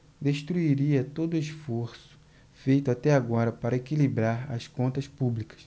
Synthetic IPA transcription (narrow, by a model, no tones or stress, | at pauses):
d̪eʃt̪ɾuiɾiɐt̪od̪ʊesfoɾsʊ̥ | fejt̪ʊat̪ɛaɡɔɾɐpaɾɐekilibɾaɾɐ̰skõnt̪ɐspublikɐ̥s